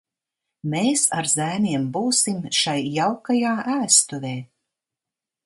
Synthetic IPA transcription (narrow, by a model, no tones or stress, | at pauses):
meːsaɾzæːmʲiɛmbuːsimʃajːawkajaːʔæːst̪uvʲeː